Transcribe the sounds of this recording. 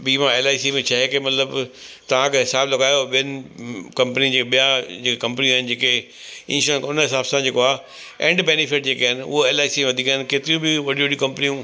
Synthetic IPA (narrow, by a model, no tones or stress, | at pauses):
biːmãeːlaːisimẽt͡ɕʰaɦekemɐt̪ləbt̪ɐʋ̤ãkʰeɦɪsaːblɐɡaːjoɓijənɪ̆kɐ̃mpənid͡ʑeːɓijãd͡ʑeːkekɐ̃mpəniũaːɦɪnɪd͡ʑeːke | ɪ̃ːsəkʊnəɦɪsaːbsãd͡ʑeːkoaː | ẽːɳɖbeːnɪfɪʈ̚d͡ʑeːkaːɦɪnɪ̆ʊ̰ɦoeːlaːisieʋɐd̪ʱikaːɪnɪkeːt̪ɪɾijũbʱɪʋɐɽĩʋɐɽiũkɐ̃mpənijũ